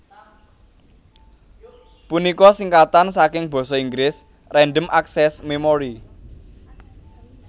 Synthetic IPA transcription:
punikɔsiŋkat̪ansakɪŋb̥ɔ̤sɔiŋɡɾɪs | rɛnɖəmʔaksɛsmemoɾi

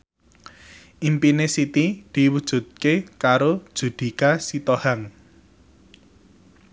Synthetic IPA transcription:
ʔimpinesit̪id̪̥i̤wud̥ʒ̥ṳt̪̚kekaɾod̥ʒ̥ṳd̪̥i̤kasit̪ohaŋ

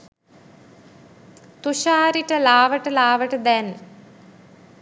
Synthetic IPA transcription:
t̪uɕaːɾiʈːɐlaːʋɐʈːɨlaːʋɐʈɨd̪en

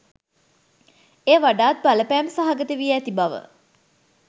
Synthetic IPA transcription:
eːʋaɖaːt̪̚baləpæːmsaɦaɡət̪əʋiəæt̪ibaʋə̰

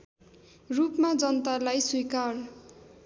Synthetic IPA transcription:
rupmad͡zʌnʌt̪alajswikar

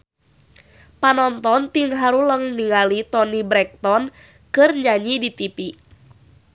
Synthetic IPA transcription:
panɔnt̪ɔnt̪iŋɦaɾuləŋniŋalit̪ɔnibɾɛk̚t̪ɔn | kɨrɲaɲidit̪ipi

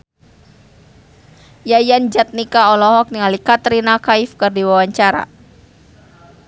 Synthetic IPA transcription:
jajand͡ʒat̪̚nikaɔlɔɦɔk̚niŋalikat̪ɾinakaifkɨrdiwawaɲt͡ʃaɾa̰

